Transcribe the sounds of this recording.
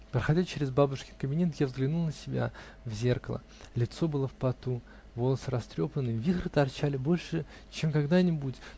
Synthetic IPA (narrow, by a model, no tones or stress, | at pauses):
pɾəxɐdʲat͡ɕeɾʲɪzbabʊʂkʲɪkəbʲɪnʲet̪javzɡlʲɪnulˠnəsʲɪbʲa̰ | vzʲe̞rkəlˠə̰ | lʲɪt̪so̞bɨlˠəfpɐt̪u | vo̞lˠəsɨɾɐst̪ɾʲo̞pənːɨvʲixɾɨt̪ɐrt͡ɕalʲɪbo̞lʲʂɨ | t͡ɕemkɐɡd̪anʲɪbutʲ